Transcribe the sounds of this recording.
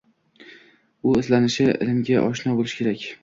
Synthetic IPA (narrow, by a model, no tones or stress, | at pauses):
ʊɪzlanɪʃɪɪ̰lɪmɡʲaʔɒʃnɒbolˠɪʃkʲʰe̞ɾakʲ